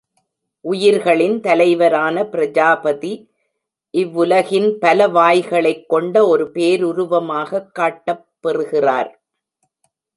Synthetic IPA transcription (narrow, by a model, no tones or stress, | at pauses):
ʔʊjɪɾɣɐɭɪnt̪ɐlɐɪʋɐɾaːnɐpɪɾɐd͡ʒaːbɐði | ʔɪʋːʊlɐɣɪnpɐlɐʋaːjɣɐɭɐɪkːɔɳɖɐɔɾɯpeːɾʊɾʊʋɐmaːɣɐkːaːʈːɐpːɛrɯɣɪra̰ːɾ